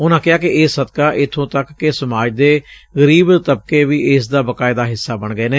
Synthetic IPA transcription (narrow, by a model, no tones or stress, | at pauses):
ʊnãːkɪaːkɪɪːsəd̪kaːʔɪt̪ʰõːt̪əkːesəmaːd͡ʒd̪eːɣəɾiːbt̪əb̚keːʋiːʔɪsd̪aːbəkaːɪd̪aːɦɪsːaːbəɳɡəeːneː